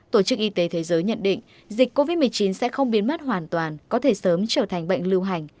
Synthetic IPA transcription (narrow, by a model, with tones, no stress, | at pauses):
t̪o˧˩t͡ɕɨ˦˥k̚ʔi˧t̪e˨˦t̪ʰe˨˦zəː˨˦jɲə̰˧˨nɗḭ̈˧˨ŋ̟ | zï˨˩k̟̚ko˧vi˦˥t̚mɨ˨˩əjt͡ɕi˨˦nsɛ̰˧˥xə˧wŋ͡mɓi˨˦ənma˦˥t̚ɦwaː˨˩nt̪waː˨˩nkɔ˨˦t̪ʰe˧˩səː˨˦mt͡ɕəː˧˩t̪ʰa˨˩ŋ̟ɓə̰˧˨jŋ̟lɨ˧wɦa˨˩jŋ̟